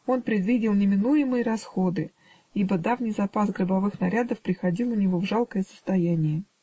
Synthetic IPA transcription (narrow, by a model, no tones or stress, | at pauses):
o̞npɾʲɪd̪vʲidʲɪlˠnʲɪmʲɪnujɪmɨjəɾɐsxo̞d̪ɨ | ibəd̪avnʲɪjzɐpasɡɾəbɐvɨxnɐɾʲad̪əfpɾʲɪxɐdʲilˠʊnʲɪvo̞vʐalˠkəjəsə̥st̪ɐjænʲɪjə